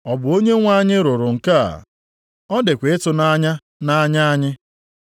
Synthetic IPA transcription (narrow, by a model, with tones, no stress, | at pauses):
ɔ˨bʊ˨o˦ɲe˦ŋʷa˦ɲɪ˦ɾʊ˨ɾʊ˨ŋ̩˨ka˦a̰˨ | ɔ˦dɪ˨kʷe˨ɪ˦tʊ˨na˦ɲa˦ | na˦ɲa˦a˦ɲɪ˦